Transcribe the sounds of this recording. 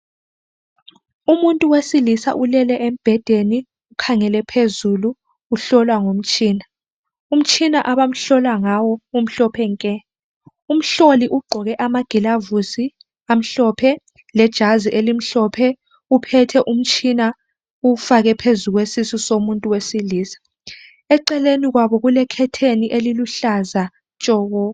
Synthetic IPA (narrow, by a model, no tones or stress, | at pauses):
umuntʼuwesilisa̰ʔulɛlɛʔem̩b̥ʱɛd̥ʱeni | ukʰaŋɛlɛpʰezuluː | ɬɔlwaŋom̩t͡ʃʼiːna | um̩t͡ʃʰʼinaʔaβam̩ɬɔlwaŋawɔum̩ɬɔpʰɛŋkʼɛ | um̩ɬoliʔuɡ͡ǃʱɔɣɛʔamaɡ̥ʱilavusi | am̩ɬɔpʰɛ | lɛd̥ʒ̥ʱaziʔelim̩ɬɔpʰɛ | upʰɛtʰɛʔum̩t͡ʃʰʼina | ufaɣɛpʰezuɣwesisusomuntʼuwesiliːsḁ | ɛǃɛleniɣwaβɔɣulɛkʰɛtʰeniʔeliluɬaza | t͡ʃʼɔːɣɔ